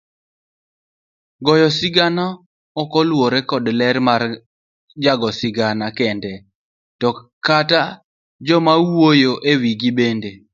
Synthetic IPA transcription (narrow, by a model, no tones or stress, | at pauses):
ɡɔjɔsɪɡana | ɔkɔlwoɾekɔdlɛɾmar | d͡ʒaɡɔsɪɡanakɛndɛ | tɔkata | d͡ʒɔmawwojoʔewiɡibende